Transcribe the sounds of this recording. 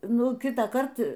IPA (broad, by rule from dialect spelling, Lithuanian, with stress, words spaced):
ˈnʊ ˈkʲɪtɑːˌkɐrt